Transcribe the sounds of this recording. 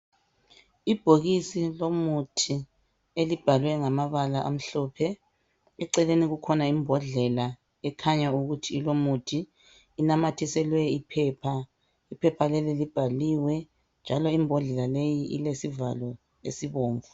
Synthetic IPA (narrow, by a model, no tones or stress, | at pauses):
ib̥ʱoɣisilomutʰi | elib̥ʱalwɛŋamaβalaʔa̰m̩ɬɔːpʰɛ | ɛǀɛleniɣukʰɔnaimbʱɔɮɛla | ɛkʰaɲauɣutʰiːlomutʰiː | namatʰisɛlwɛipʰɛːpʰa | ipʰɛpʰalɛlɛlib̥ʱaliwɛ | nd͡ʒʱalɔimbʱɔɮɛlalejiʔḭlesivalɔ | ḛsiβoːɱvu